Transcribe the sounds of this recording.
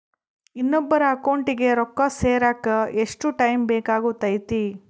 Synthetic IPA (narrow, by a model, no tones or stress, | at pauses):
inːɔbːɐɾɐːkɐwɳʈiɡe̞ɾɔkːɐseːɾaːkɐeʂʈuʈɐjmbeːkaːɡut̪ɐjt̪i